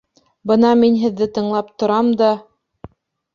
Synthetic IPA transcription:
bɤnɑminɦɘ̆ðːɘt̪ɤ̆ɴlˠɑpt̪ŏɾɑmd̪ɑ

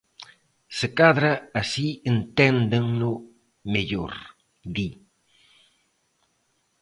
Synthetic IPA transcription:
sɪkaðɾaasient̪ɛnd̪ɪŋlʊ | meʎo̰ɾ | d̪i

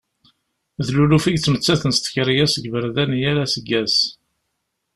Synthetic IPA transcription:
ðlulufiʝt͡sːmət͡sːæθənst̪ə̥çɾijæsəɡvəɾðænijælæsəɡːæs

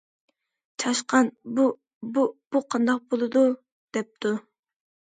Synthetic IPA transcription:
t͡ʃʰɑʃqɑnbu | bub̥uqʰɑnd̪ɑq̚bolˠɨd̪u | d̪̥ɛp̚t̪ʰu

